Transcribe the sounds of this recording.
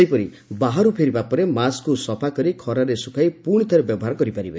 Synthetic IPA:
ipɔɾi | baɦaɾupʰeɾibapɔɾemaskusɔpʰakɔɾikʰɔɾaɾesukʰajpuɽ̃it̪ʰɔɾebjɔbɔɦaɾɔkɔɾipaɾibe

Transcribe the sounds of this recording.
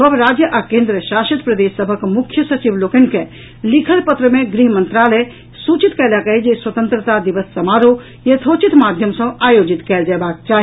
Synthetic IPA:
səbʱɾad͡ʒjəʔakẽnd̪ɾəʃaʃət̪pɾəd̪esːəbʱəkmukʰjəsət͡ʃiblokənkẽ | likʰəlpət̪ɾəmeɡɾiɦmənt̪ɾalə | sut͡ʃit̪kəjlakəɦid͡ʒeswət̪ə̃nt̪ɾət̪ad̪iʋəsːəmaɾo | jɐt̪ʰot͡ʃit̪mad̪ʱjəmsə̃ajod͡ʒit̪kɛld͡ʒɛbak̚t͡ʃaɦi

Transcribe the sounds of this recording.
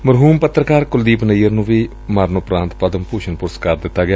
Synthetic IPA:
məɾɦuːmpət̪ːɾəkaːɾkʊld̪iːpnəjːəɾnũːʋiː | maːɾnoːpɾãːnt̪pəd̪əmpuːʃənpʊɾskəɾd̪ɪt̪ːaːɡɪjaː

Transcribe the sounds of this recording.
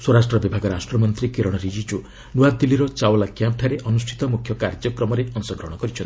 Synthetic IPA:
swoɾasʈɾɔbibʱaɡɔɾasʈɾɔmɔnt̪ɾikiɾɔɽ̃ɔɾid͡ʒit͡ʃu | nuad̪iliɾɔt͡ʃawlakjamp̚ʈʰaɾeʔɔnusʈʰi̥t̪ɔmukʰjɔkaɾd͡ʒɔkɾɔmɔɾeɔnsɔɡɾɔɦɽ̃ɔkɔɾit͡ʃʰɔnt̪i

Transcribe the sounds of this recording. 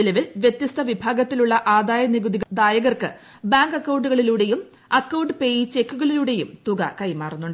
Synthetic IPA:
ilɐʋilʋjet̪jɐst̪ʰɐʋibʱaːɡɐt̪ːiluɭːɐʔaːd̪aːjɐniɡud̪iɣd̪aːjɐɣɐrkɨ | baːŋɡɐkːɐwɳɖuɣɐɭiluːɽe̞jum | ɐkːɐwɳɖɨpe̞jit͡ɕe̞kːuɣɐɭiluːɽe̞jumt̪uɡɐ̰kɐjmaːrunːuɳɖɨ

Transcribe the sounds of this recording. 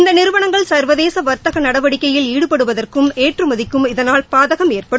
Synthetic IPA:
ɪnd̪ɐnɪɾɯʋɐɳɐŋɡɐɭsɐɾʋɐðeːsɐʋɐɾt̪ɐɣɐnɐɽɐʋɐɽɪkːɐjɪliːɽɯpɐɽɯʋɐðɐrkɯmeːʈrɯmɐðɪkːɯmɪðɐnaːlpaːðɐɣɐmeːrpɐɽɯm

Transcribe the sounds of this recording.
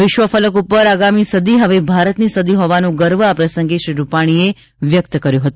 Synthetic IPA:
ʋɪʃʋəfələkupəɾaɡamisəd̪ʱiɦəʋebʱaɾət̪nisəd̪ʱiɦoʋanũɡəɾʋəapɾəsəŋɡiʃɾiɾupaɽ̃ie | ʋjək̚t̪əkəɾjõɦət̪ũ

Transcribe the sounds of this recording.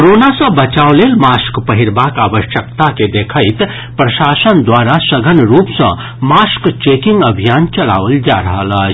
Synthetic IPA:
kɾonasə̃bət͡ʃawlelmaskpəɦiɾbakabəʃjəkt̪aked̪ekʰəɪt̪ | pɾəʃasənd̪waɾasəɡʱənɾupsə̰̃ | maskt͡ʃekiŋɡəbʱijant͡ʃəla̰ʋəld͡ʒa̰ɾəɦələd͡ʒ

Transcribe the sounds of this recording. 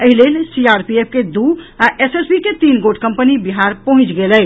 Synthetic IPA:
əɦilelsiaɾpiep̚ʰked̪uaʔesesbiket̪inɡoɖʰkəmpənibiɦaɾpəɦũt͡ʃɡelɛj

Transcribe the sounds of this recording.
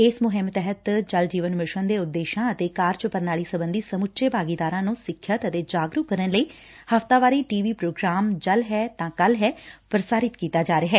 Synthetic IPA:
ɪsmʊɦɪmt̪ɛɦət̪d͡ʒəld͡ʒiːʋənmɪʃənd̪eːʊd̪ːeːʃãːət̪eːkaːɾt͡ʃəpəɾnaːɭiːsəbənd̪iːsəmʊt̪ʃeːpaːɡiːd̪aːɾãːnũːsɪkʰːjət̪ət̪eːd͡ʒaːɡɾʊkːəɾənləiː | həft̪aːʋaːɾiːʈiːʋiːpɾoːɡɾaːmd͡ʒəlɦɛːt̪ãːkəlɦɛːpɾəsaːɾɪt̪kiːt̪aːd͡ʒaːɾeːɦɛː

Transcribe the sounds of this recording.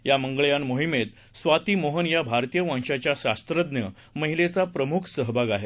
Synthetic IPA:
jaməŋɡɭjanmoɦimet̪ | sʋat̪iːmoɦənjabʱaɾt̪ijəʋãŋɕat͡ɕjaɕast̪ɾəd̪njə | məɦilet͡sapɾəmukʰsəɦbʱaɡaɦe

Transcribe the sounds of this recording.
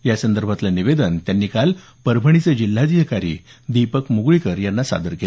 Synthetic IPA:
jasənd̪əɾbʱat̪laniʋed̪ənt̪janːiːkal | pəɾbʱəɳ̃it͡sed͡ʑilːad̪iɦəkaɾḭːd̪ipəkmuɡɭikəɾjanːasa̰d̪əɾkel

